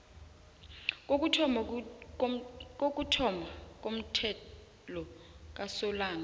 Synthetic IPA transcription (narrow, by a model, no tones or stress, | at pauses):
kok̬ʼutʰɔmak̬ʼom̩tʰɛ | lɔ | k̬ʼasɔlaːna